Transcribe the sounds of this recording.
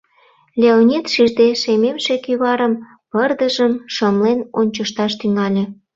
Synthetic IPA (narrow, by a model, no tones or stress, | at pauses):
lʲeonʲit̪ʃiʒd̪eʃememʃekyβɑɾəm | pərd̪əʒəmʃəmlenonʲt͡ɕəʃt̪ɑʃt̪yŋɑlʲe